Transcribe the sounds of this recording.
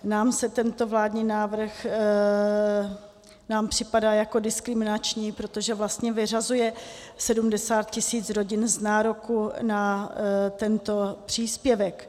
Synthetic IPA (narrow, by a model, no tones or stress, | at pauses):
naːmsɛt̪ɛnt̪o̞vlaːdɲiːnaːvr̩x | naːmpr̝̥ɪpadaːjako̞dɪskɾɪmɪnat͡ʃɲiːpɾo̞t̪o̞ʒɛvlast̪ɲɛvɪr̝azujɛsɛdumdɛsaːt̪̚cɪsiːt͡sɾo̞ɟɪnznaːɾokuna | t̪ɛnt̪o̞pr̝̥iːspjɛvɛk